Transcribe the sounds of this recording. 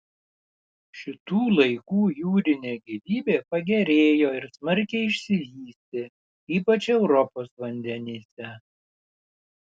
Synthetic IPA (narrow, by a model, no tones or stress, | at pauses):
ʃʲɪt̪uːlˠɐɪkuːjuːɾʲɪnʲeːɡʲɪʋʲiːbʲeːpɐɡʲɛɾʲeːjoːɪɾsmɐɾʲkʲɛɪɪʃʲsʲɪlʲiːsʲt̪ʲɪ | iːpɐt͡ʃʲɛʊɾɔpoːsʋɐnʲd̪ʲɛnʲiːsʲɛ